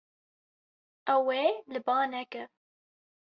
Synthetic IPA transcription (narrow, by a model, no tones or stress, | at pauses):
ɛweːlɨbɑːnɛkɨ